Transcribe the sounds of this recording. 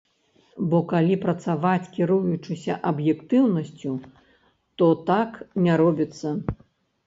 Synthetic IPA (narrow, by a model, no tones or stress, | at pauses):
bɔkalʲipɾɐt̪savat͡sʲkʲiɾujut͡ʂɨsʲɐʔɐbjɛkt̪ɨwnɐsʲt͡sʲu | t̪ɔt̪aknʲaɾɔbʲit̪sːɐ